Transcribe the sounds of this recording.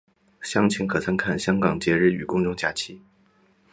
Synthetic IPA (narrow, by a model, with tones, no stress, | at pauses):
ɕjɑ˥ŋt͡ɕʰi˧˥ŋkʰɤ˨˩t͡sʰə˧˥ŋkʰa˥˩nɕjɑ˥ŋkɑ˨˩ŋt͡ɕjɛ˧˥ɻɻ̩˥˩y̰˨˩kʊ˥ŋʈ͡ʂʊ˥ŋt͡ɕja˥˩t͡ɕʰi˥